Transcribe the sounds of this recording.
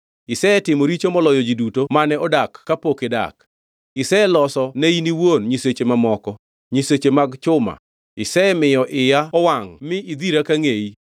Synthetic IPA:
ɪsɛɛtɪmoɾit͡ʃomɔlɔjɔd͡ʒidutomanɛɔdakːapokeda̰k | ɪsɛɛlɔsɔneiniwonɲiset͡ʃemamɔkɔ | ɲiset͡ʃemaɡt͡ʃʊma̰ | ɪsɛɛmɪjɔʔɪjaɔwaŋmɪʔid̪iɾakaŋei

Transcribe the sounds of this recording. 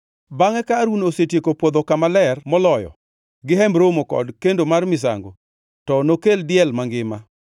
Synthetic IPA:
baŋɛkaɾunosetjekopwod̪okamalɛrmɔlɔjɔ̰ | ɡɪɦɛmbɾomokɔ̰dkendomarmɪs̬a̰ŋɡo̰ | tɔnokeldɪɛlmaŋɡɪma

